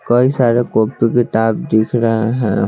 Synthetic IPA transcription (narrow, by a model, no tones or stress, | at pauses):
kɔisaɾekopːikit̪abd̪ikʰɾaɦaɦɛ̃